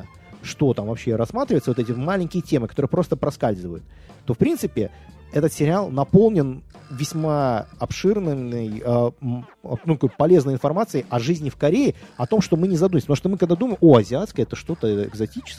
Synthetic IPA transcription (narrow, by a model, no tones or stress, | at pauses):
ʂt̪o̞t̪amvɐpɕːeɾɐsmat̪ɾʲɪvəɪt̪səvot̪ɛt̬ʲɪmalʲɪnʲkʲɪjətʲe̞mɨkɐt̪o̞ɾɨjəpɾo̞st̪əpɾɐskalʲzɨvəjʊt̪ː | o̞fpɾʲint̪sɨpʲɪ | ɛt̪ət̪sʲɪɾʲɪalˠnɐpo̞lˠnʲɪn | vʲɪsʲmaɐpʂɨrnɨɨjə | nut̪ɐko̞jpɐlʲe̞znəjɪnfɐrmat̪sɨɪʔɐʐɨzʲnʲɪfkɐɾʲeɪɐt̪o̞mʂt̪o̞mɨnʲɪzɐd̪umʲɪsʲpt̪muʂt̪omɨkɐɡd̪ad̪uməjɪmʔoɐzʲɪat̪skəɛt̪əʂt̪o̞t̪əɪ̰ɡzɐtʲit͡ɕɪ̥s